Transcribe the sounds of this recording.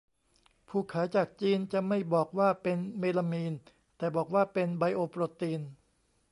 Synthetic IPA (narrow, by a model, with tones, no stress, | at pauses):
pʰuː˧˩kʰaː˩˦t͡ɕaː˨˩k̚t͡ɕiː˧nt͡ɕa˨˩ma˥˩jbɔː˨˩k̚waː˥˩pe˧nmeː˧la˧miː˧n | t̪ɛː˨˩bɔː˨˩k̚waː˥˩pe˧nba˧jʔoː˧pɾoː˧t̪iː˧n